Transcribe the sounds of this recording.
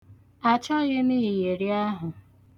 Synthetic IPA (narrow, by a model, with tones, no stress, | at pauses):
a˨t͡ʃɔ˦ɣɪ˦ni˦i˨je˨ɾi˦a˦ɦʊ˨